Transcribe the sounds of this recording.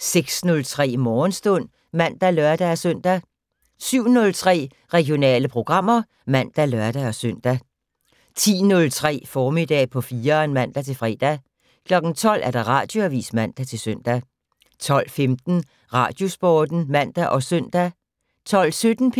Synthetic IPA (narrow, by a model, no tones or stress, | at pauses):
seɡ̥snɔ̽lt͡sʰʁɛ̰ːmɒːnsd̥ɔn̰ | mæn̰d̥ælœɐ̰d̥ææsøn̰d̥æ | syʊ̰nɔ̽lt͡sʰʁɛ̰ː | ʁɛɡ̥jo̝nɛ̰ːləpʰʁo̝ɡ̥ʁɑ̈m̰ɐ | mæn̰d̥ælɶɐd̥æɒ̽søn̰d̥æ | t͡sʰḭːnɔ̽lt͡sʰʁɛ̰ːfɒːmid̥ɛ̰ːpʰɒ̽fiːɐnmæn̰d̥æt͡sʰe̝lfʁɛ̰ːd̥æ | kʰlɒ̽ɡ̥n̩t͡sʰɒ̽l̰ʔæɐɾ̥ɑ̈ʁɑ̰̈ːd̥jo̝æʋḭːsmæn̰d̥æt͡sʰe̝lsøn̰d̥æ | t͡sʰɒ̽l̰femd̥n̩ | ʁɑ̰̈ːd̥jo̝sb̥ɒːd̥n̩mæn̰d̥æʔɒ̽sœn̰d̥æ | t͡sʰɒ̽l̰sød̥n̩pʰ